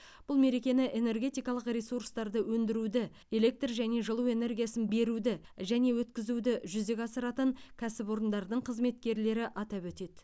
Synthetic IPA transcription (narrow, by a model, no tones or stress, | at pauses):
b̥ʊlˠme̞ɾekʲe̞nɪʔe̞ne̞rɡʲe̞t̪ijkɑlˠəqrʲesuɾst̪ɑɾd̪əwɵnd̪ɪɾud̪ɪ | e̞le̞k̚t̪rʒæne̞ʒəlˠuwe̞ne̞rɡʲijasənbe̞ɾud̪ɪ | ʒæne̞wɵt̪kʲɪzud̪ɪʒʏzd̪e̞kʲɑsəɾɑt̪əɴkʲʰæsɪpo̞ɾənd̪ɑɾd̪əɴqʰəzme̞t̪̚kʲe̞ɾle̞ɾɪʔɑt̪ɑpwɵt̪e̞d̪̥